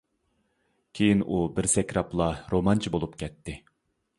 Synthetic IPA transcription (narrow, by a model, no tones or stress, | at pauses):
kʲʰejinʔubɪɾsɛkʲɾɑplˠɑɾomɑnt͡ʃʰibolˠupkʲʰɛt̪ʰːɪ